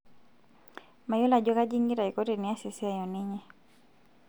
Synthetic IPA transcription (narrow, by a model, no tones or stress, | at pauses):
majɔlaʄɔkad͡ʒiŋɡiɾaikɔtɛniasisiajɔniɲɛ